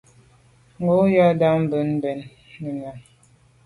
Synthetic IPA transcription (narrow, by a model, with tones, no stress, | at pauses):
ŋ̩˨ɡo˦ja˦da˦m̩˦bə˨˦n̩˦bɛ˨nː | ə˨na˨n